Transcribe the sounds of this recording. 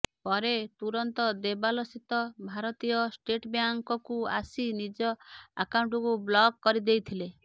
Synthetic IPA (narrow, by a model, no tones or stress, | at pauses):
pɔɾet̪uɾɔnt̪ɔd̪ebalɔsit̪ɔbʱaɾɔt̪ijɔsʈeʈbjaŋkɔkua̰sinid͡ʒɔakawuɳʈɔkublɔɡkɔɾid̪ejt̪ʰile